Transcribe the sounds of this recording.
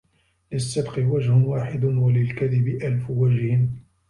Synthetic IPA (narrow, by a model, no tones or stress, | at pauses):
lɪsːɪb̪qɪwad͡ʒhʊnwaːħɪd̪ʊnwalɪlkaðɪbɪʔalfʊwad͡ʒhɪ